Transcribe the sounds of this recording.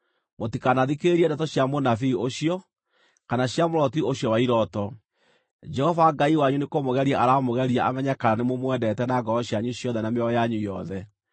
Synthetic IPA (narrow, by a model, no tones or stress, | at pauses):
motikanaðikeɾiɛndɛtɔɕjamonafioɕiɔ | kanaɕjamoɾɔtioɕjɔwaiɾɔtɔ | d͡ʒɛhɔvaɡaiwaɲunekomoɣɛɾiaʔaɾamoɣɛɾiaʔamɛɲakaɾanemomwɛdɛtɛnaɡɔɾɔɕjaɲuɕjɔðɛnameɔjaɲujɔðɛ